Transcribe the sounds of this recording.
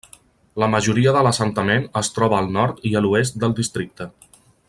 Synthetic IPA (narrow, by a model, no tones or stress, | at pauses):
ləməʒuɾiəðələsənt̪əmenəst̪ɾɔβəːlˠnɔɾt̪iəluest̪̚d̪əlˠd̪ist̪ɾik̚t̪ə